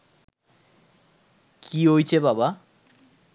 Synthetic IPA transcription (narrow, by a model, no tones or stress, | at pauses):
kʰiɦojt͡ɕʰebaba